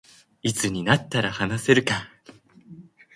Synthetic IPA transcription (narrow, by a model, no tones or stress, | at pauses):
it͡sɨɲ̟inat̪ːaɾahanase̞ɾɯ̟ka